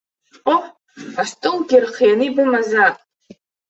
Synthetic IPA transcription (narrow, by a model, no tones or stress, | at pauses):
oħ | astʼɨlɡʲɪrχijanɨbɨmazatʼ